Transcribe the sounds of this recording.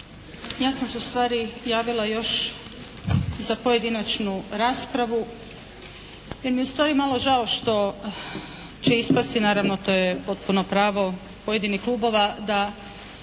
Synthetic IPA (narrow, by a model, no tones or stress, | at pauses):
jaːsamseust̪ʋaːɾijaːʋilˠajo̞ʃ | zapo̞je̞d̪inat͡ʃnuɾaːspɾaʋu | jeɾmijust̪ʋaːɾimalˠo̞ʒaoʃt̪o̞ | t͡ɕeispast̪inaːɾaʋnot̪o̞ːjepo̞t̪̚punopɾaːʋo̞ | pojed̪inixklˠuːbo̞ʋad̪a